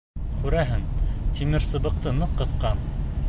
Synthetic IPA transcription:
kʉɾæɦɘŋt̪ʰimɘɾsɤ̆βɤ̆q̚t̪ɤnɤqːɤ̆θqɑn

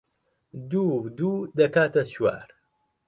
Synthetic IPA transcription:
d̪ud̪ud̪ɐkaːt̪ɐt͡ʃwa̰ːɾ

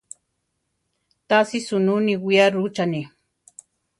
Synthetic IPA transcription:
t̪asisʊnuniwijaɾut͡ʃani

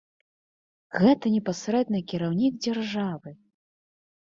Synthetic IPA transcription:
ɣɛt̪ɐnʲɛpasɾɛd̪nɨkʲiɾawnʲiɡd͡zʲarʐavɨ

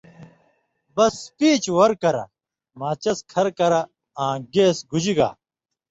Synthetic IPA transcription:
bɐspiːt͡ɕwɐɾkɐɾɐ̰ | maːt͡ɕɐskʰɐɾkɐɾɐ | ãːɡeːsɡud͡ʑiɡa̰ː

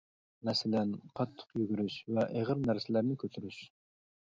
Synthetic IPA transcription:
mɛsɪlɛnqʰɑt̪ʰːʊ̥qjyɡʲyɾyʃvɛʔeʁəɾnæɾsɪlæɾnɪkʲʰøt̪ʰyɾyʃ

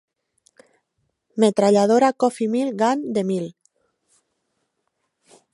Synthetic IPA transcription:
met̪ɾaʎað̞oɾakofimilɡand̪emil

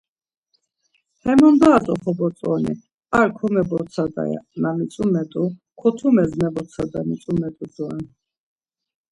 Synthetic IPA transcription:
hɛmɔnd̪aːt̪ʼɔχɔbɔt͡s̪ʼɔnḭ | alkʰɔmɛbɔt̪sʰad̪a̰ja̰namit̪sʼumɛt̪ʼukʰɔt̪ʰumɛzmɛbɔt̪sʰad̪amit̪sʼumɛt̪ʼuzɔɛn

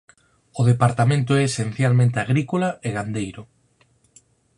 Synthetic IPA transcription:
ʊð̞epaɾt̪amẽnt̪oɛːsen̟θjalmẽnt̪eaɣɾikolaeɣand̪ejɾʊ

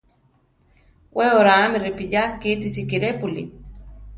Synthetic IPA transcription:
wʔeoɾaːmiripijakit̪isikiɾepulḭ

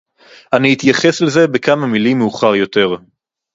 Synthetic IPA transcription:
ʔanihit̪jaχe̞sleze̞bekamamilimːeuχaʁjo̞t̪e̞ʁ

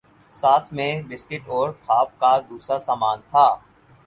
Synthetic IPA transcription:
saːt̪ʰmẽbɪskɪʈɔːɾkʰaːp̚kad̪uːsɾasaːmaːnt̪ʰaː

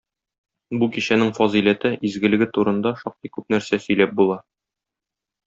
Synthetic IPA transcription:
bukiɕænɘŋfɒzilæt̪ɘʔizɡɘ̆lɘ̆ɡɘt̪uɾɤ̆nd̪ɑʃɒq̚t̪ikʉp̚næɾsæsɵ̆jlæp̚bulˠɑ

